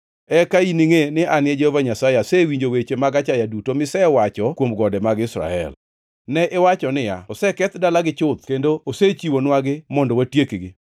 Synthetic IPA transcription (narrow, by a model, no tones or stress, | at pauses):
ɛkainiŋenɪanɪɛd͡ʒɛhovaɲasajeasɛwiɲd͡ʒowet͡ʃemaɡat͡ʃajadutomɪsɛwat͡ʃɔkwomɡɔdɛmaɡɪsɾa̰ɛ̰l | nɛʔɪwat͡ʃɔnɪjaɔsɛkɛt̪dalaɡɪt͡ʃʊt̪kendooset͡ʃiwonwaɡɪmɔndɔwatjekɡɪ